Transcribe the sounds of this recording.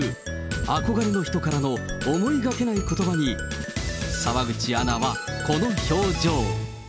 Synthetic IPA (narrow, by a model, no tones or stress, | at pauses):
ɯ | ako̞ɡaɾeno̞çi̥t̪o̞kaɾano̞ː | mo̞iɡake̞naiko̞t̪o̞baɲ̟i | saβaɡɯ̟t͡ɕianaβako̞no̞çʲo̞ːd͡ʑo̞ː